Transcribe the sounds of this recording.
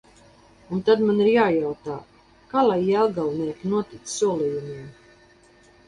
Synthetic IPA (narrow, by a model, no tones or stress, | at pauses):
unt̪ad̪maniɾjaːjawt̪aː | kaːlˠajɛlˠɡalˠniɛkʲinuɔt̪it̪ssuɔlijumiɛm